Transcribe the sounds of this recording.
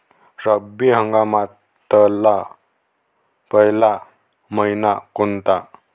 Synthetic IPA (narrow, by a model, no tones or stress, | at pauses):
ɾəbiɦəŋɡama | t̪əla | pəɦila | məinakont̪a